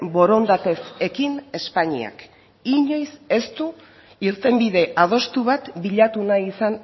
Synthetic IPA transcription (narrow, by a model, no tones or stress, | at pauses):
bo̞ɾo̞nd̪at̪e̞se̞kine̞spaɲḭa̰k | iɲo̞jse̞st̪u | iɾt̪e̞mbiðe̞ʔað̞o̞st̪uβat̪biʎat̪unaisan